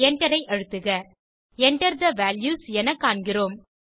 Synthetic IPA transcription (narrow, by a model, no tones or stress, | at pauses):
ɛɳɖɐɾɐɪʔɐɻɯt̪ːɯɣɐ | ɛɳɖɐɾd̪ɐʋaːljuːsɛnɐkːaːɳɡɪroːm